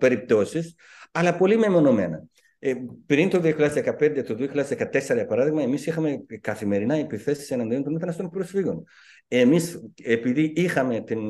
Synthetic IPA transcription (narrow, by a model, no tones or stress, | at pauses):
pe̞ɾip̚t̪o̞sis | ɐlɐpo̞limemo̞no̞me̞̰nɐ | pɾint̪oðioçilʲʎɐðezðekɐpe̞nd̪e̞t̪oðioçiʎɐðezðekɐt̪e̞seɾɐjɐpɐɾɐðiɣmɐemisixɐmekɐθime̞ɾinɐepiθe̞si̥se̞nɐnd̪io̞nt̪o̞nme̞t̪ɐnɐst̪o̞npɾo̞sfiɣo̞n | emisepiðiixɐme̞t̪in